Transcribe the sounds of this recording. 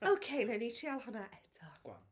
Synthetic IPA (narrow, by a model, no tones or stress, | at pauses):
owkʰejnɛnitʰiːalˠhʊnaʔɛtʰɔ̥wa̰